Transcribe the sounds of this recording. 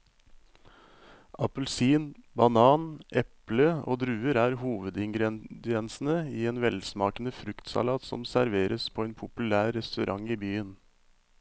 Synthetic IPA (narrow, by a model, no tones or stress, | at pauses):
ʔɑpəl̩siːnbɑnɑːnʔɛpləo̰ːd̪ɾʉːəɾæːɾhuːʋəd̪ɪŋɡɾd̪ɪɛnsn̩əiːeːnʋɛlsmɑːkənəfɾʉkt̪sɑ̰lɑːt̪sɔ̰msæɾʋeːɾʔəspʰoːeːnpʰʊpʉlæːɾːɛst̪ʉɾʔɑŋiːbyːən